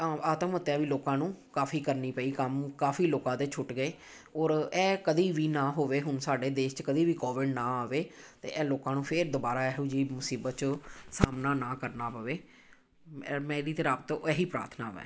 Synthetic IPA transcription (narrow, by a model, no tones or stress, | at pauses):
aːt̪əmɦʊt̪ːɛːʋiːloːkãːnũːkaːfʰiːkəɾniːpəːiːkəmkaːfʰiːloːkãːd̪eːt͡ʃʰʊʈɡəeː | ɔːɾɛːkəd̪iːʋiːnãːɦoːʋeːɦʊnsaːɖeːd̪eːʃt͡ʃkəd̪iːʋiːkɔːʋɪɖnãːaːʋeːt̪ḛːʔɛːloːkãːnũːpʰɪɾd̪ʊbaːɾaːɛːɦuːd͡ʒiːmʊsiːbət̪t͡ʃsaːmnaːnãːkəɾnaːpəʋeː | mɛ̃ːd̪iːt̪eːɾaːbt̪aɛːɦiːpɾa̰ːɾt̪ʰna̰ːʋɛ̰̃ː